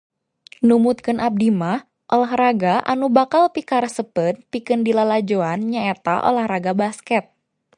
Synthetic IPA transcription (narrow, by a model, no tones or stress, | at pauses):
numut̪̚kɨnʔap̚dimah | ʔolaɦraɡaʔa̰nubakalpikaɾəsəpət̪̚pikɨndilalad͡ʒoanɲaɛt̪aʔo̰lahɾaɡabaskɛt̪̚